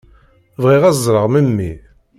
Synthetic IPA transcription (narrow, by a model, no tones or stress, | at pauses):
vʁiʁɑzˤɾəʁməmːi